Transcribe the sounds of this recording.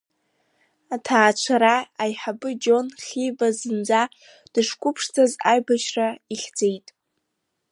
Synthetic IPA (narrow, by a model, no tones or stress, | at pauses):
atʰaːt͡ʃʷʰaɾaːjħabɨd͡ʒo̞nχʲibazɨnd͡za | d̥ɨʂkʷʼʊpʰʂtʰazajbaʃraiχʲd͡ze̞jtʼ